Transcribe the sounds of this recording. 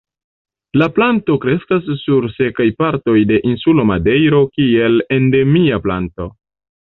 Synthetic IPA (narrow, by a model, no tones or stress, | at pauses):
laplanto̞kɾe̞skasːuɾse̞kajpaɾto̞jde̞ʔinsulomade̞jɾo̞kie̞le̞nde̞miapla̰nto̞̰